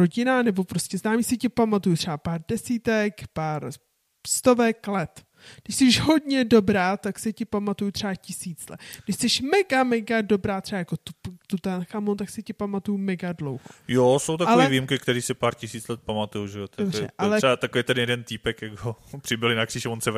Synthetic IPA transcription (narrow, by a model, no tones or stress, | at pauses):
ɾo̞ɟɪnanɛbo̞pɾoscɛznaːmiːsɪcɛpamat̪ujut̪r̥ɛapaːɾdɛsiːt̪ɛkpaːɾ | st̪o̞vɛklɛt̪ | ɡdɪʃsɛʃɦo̞dɲɛdo̞bɾaːt̪aksɪcɪpamat̪ujut̪r̥ɛacɪsiːt͡slɛ̰t̪ɡdɪʃsɛʃmɛɡamɛɡado̞bɾaːt̪r̥ɛajakot̪ut̪ut̪anxamot̪aksɪcɪpamat̪ujumɛɡadlo̞̰wɦojosowt̪aaoviːviːjimkɪkt̪ɛɾiːsɪpaːɾcɪsiːt͡slɛt̪̚pamat̪ujuʒɛot̪adorɛ̰ʔalɛɛat̪akovet̪ɛnjɛdɛnt̪iːpɛkjaɡopr̥ɪbɪlɪnakr̥iːʒavonsɛv